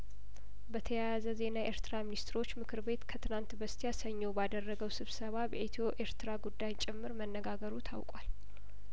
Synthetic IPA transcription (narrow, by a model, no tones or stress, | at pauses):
bət̪ʰəjajazəze̞naʔe̞ɾt̪ʰɨɾaminist̪ʰɾo̞t͡ʃːmɨkʰɨɾbe̞t̪kʰət̪ʰɨnant̪bəst̪ʰijasəɲːobad̪ərːəɡəwsɨβsəβabɛʔet̪ʰoʔe̞ɾt̪ɨɾaɡud̪ːajt͡ʃʼɪmːɨɾmənːəɡaɡəɾut̪ʰa̰wkʼwal